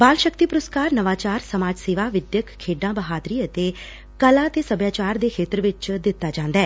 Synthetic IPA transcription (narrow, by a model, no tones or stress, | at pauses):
baːlʃəkt̪iːpʊɾəskaːɾnəʋaːt͡ʃaːɾsəmaːd͡ʒseːʋaːʋɪd̪jəkkʰːeːɖãːbəɦaːd̪ɾiːət̪eː | kəlãːt̪eːsəbjaːt͡ʃaːɾd̪eːkʰeːt̪ɾʋɪt͡ʃd̪ɪt̪ːaːd͡ʒãːnd̪aɛː